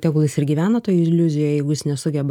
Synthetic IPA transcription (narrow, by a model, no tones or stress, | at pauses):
t̪ʲɛːkʊlˠɪsɪɾɡʲiːʋʲæːnɐt̪oːjɪlʲʊzʲɪjoːjɛɪɡʊjɪsnʲɛsʊɡʲɛbɐ